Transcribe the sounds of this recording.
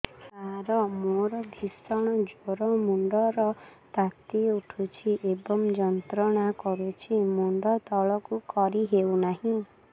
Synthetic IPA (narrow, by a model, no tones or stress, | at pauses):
aɾɔmoɾɔbʱisɔɽ̃ɔd͡ʒoɾɔmuɳɖɔɾɔt̪at̪iuʈʰut͡ʃʰiʔebɔmd͡ʒɔnt̪ɾɔɽ̃akɔɾut͡ʃʰimuɳɖɔt̪ɔɭɔkukɔɾiɦewnaɦĩ